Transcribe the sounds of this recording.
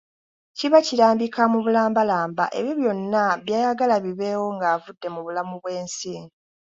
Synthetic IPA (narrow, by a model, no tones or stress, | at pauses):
ciβaciɾaːmbikamuβulaːmbalaːmbaʔe̞̰βjoβjo̞nːaβjaːjaɡalaβiβe̞ːwo̞ŋɡaːvudːe̞muβulamuβwe̞ːnsi